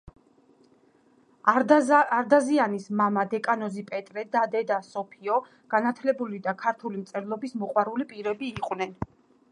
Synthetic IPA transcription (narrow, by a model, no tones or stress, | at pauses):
aɾd̪azianismamad̪ɛkʼanɔzipʼɛt̪ʼɾɛd̪ad̪ɛd̪asɔpʰiɔ | ɡ̥anat̪ʰlɛbulid̪akʰaɾt̪ʰulimt̪sʼɛɾlˠɔbismɔqʼwaɾulipʼiɾɛbiːqʼwnɛn